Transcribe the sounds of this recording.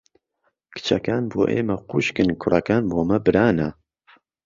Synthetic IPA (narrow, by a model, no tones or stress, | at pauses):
kʰɨ̥t͡ʃʰɐkaːnboːʔeːmɐquʃkɨnkʰʊrɐkaːnboːmɐbɨɾaːnɐ